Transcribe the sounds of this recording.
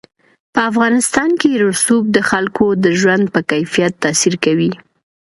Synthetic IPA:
pəafɣɑnɪst̪ɑnkeɾʊsub̚d̪əxalkʰod̪əʒwand̪̚pəkajfijat̪ːɑsiɾkawi

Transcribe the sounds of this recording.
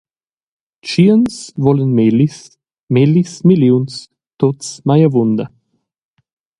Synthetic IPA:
t͡ʃiənsvɔlənmelis | melismiliuns | t̪otsmajavund̪ɐ

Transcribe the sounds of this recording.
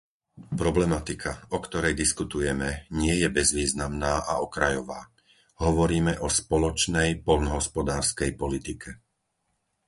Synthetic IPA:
pɾɔblɛmat̪ikʰaɔkt̪ɔɾɛjd̪iskut̪ujɛmɛɲɪɛjɛbɛzʋiːznamnaːʔa̰ɔkɾajɔʋaː | ɦɔʋɔɾiːmɛʔɔspɔlɔt͡ʃnɛjpɔʎnɔɦɔspɔd̪aːɾskɛjpɔlit̪ikʰɛ

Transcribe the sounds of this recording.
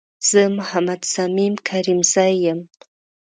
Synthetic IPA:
z̥əmʊhamad̪samimkʰaɾimzajːəm

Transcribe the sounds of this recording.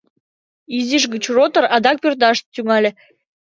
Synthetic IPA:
iziʃɣət͡ɕrot̪ə̆ɾɑd̪ɑk̚pørt̪̬ɑʃt̪t̪yŋɑlʲĕ

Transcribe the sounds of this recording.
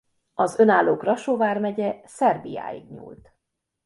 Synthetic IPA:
ɒzø̞naːlːoːkrɒʃoːvaːrmɛɟɛsɛrbija̰ːjḭɡɲṵːlt̪

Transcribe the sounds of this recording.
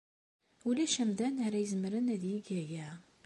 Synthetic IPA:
ulæʃæmðænaɾæjəzmɾənæðjiɡæjæ

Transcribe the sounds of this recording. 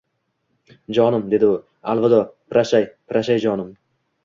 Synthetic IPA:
d͡ʒɒnɪmd̪e̞d̪ɪʊ | alˠvad̪ɒpɾaʃajpʰɾaʃajd͡ʒɒnɪm

